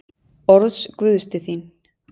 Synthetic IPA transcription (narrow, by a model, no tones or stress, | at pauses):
ɔɾðskvʏðst̪ɪθin